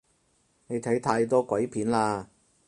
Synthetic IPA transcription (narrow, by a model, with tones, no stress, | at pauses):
ne˨˧jt̪ʰɐ˨˥jt̪ʰaː˧jt̪̬ɔː˥kʷwɐ˨˥jpʰiː˨˥nlaː˧